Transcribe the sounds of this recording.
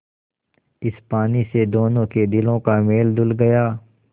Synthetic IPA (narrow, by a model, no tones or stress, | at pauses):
ɪspaːnised̪oːnõːked̪ɪlõkameːld̪ʊlɡɐjaː